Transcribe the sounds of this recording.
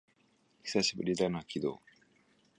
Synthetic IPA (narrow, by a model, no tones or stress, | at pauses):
çi̥saɕibɯ̟ɾʲid̪anɯakʲid̪o̰ː